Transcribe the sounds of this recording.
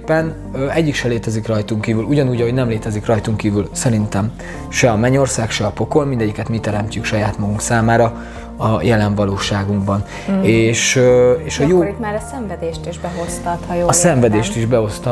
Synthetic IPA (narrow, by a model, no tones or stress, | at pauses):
pːɛn | øɛɟːikʃɛleːt̪ɛzikrɒjt̪uŋkiːvyluɟɒnuːɟɒɦo̞ɟnɛmleːt̪ɛzikrɒjt̪uŋkiːvylsɛɾint̪ɛm | ʃɛɒmɛɲo̞rsaːkʃɛɒpo̞ko̞lmind̪ɛɟːikɛt̪mit̪ɛɾɛmcykʃɒjaːt̪mɒɡuŋksaːmaːɾɒ | ɒjɛlɛɱvɒloːʃaːɡuŋɡbɒn | eːʃøeːʃɒjoːt̪maːɾɒsɛɱvɛd̪eːʃt̪iʒbɛɦost̪ɒt̪hɒjoɒsɛɱvɛd̪eːʃt̪iʒbɛo̞st̪ɒ